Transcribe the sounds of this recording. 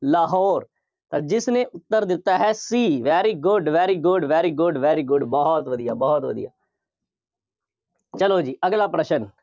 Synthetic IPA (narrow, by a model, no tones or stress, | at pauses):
laːɦɔːɾ | t̪ãːd͡ʒɪsnẽːʔʊt̪ːəɾd̪ɪt̪ːaːɦɛːsiːʋɛːɾiːɡʊɖʋɛːɾiːɡʊɖʋɛːɾiːɡʊɖʋɛːɾiːɡʊɖbɔːt̪ʋəd̪ijaːbɔːt̪ʋə̰d̪ḭja̰ː | t͡ʃəloːd͡ʒiːəɡlaːpɾəʃən